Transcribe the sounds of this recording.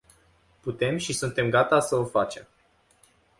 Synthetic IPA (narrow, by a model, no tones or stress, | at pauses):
put̪e̞mʃisunt̪e̞mɡat̪asəofat͡ʃe̞̰m